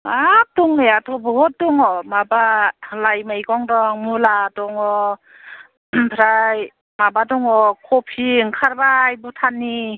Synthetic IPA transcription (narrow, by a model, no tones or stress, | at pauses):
atuŋeatʰɔbɔɦɔt̚duŋɔmabalajmajkɔŋdɔŋmulatɔŋɔ | pʰɾaj | mabadɔŋɔkʰɔpʰiŋkʰaɾbajbutʰanːi